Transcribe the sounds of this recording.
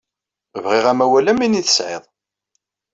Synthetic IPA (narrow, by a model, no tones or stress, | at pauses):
vʁɪʁæmæwælæminiθə̥sʕɪ̰ðˤ